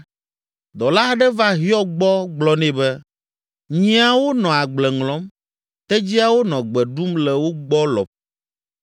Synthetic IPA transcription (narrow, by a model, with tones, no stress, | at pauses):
d̪ɔ˨la˦ɖɛ˦va˦ɦi˦ɔ˦ɡ͡bɔ˦ɡ͡blɔ˦nɛ̃˨bɛ˦ | ɲĩ˦a˨wo˦nɔ̃˨a˨ɡ͡blɛ˨ŋlɔ̃˨˦m | t̪ɛ˦d͡ʑi˦a˦wo˦nɔ̃˨ɡ͡bɛ˨ɖu˦mlɛ˨wo˦ɡ͡bɔ˦lɔ̰˨p̚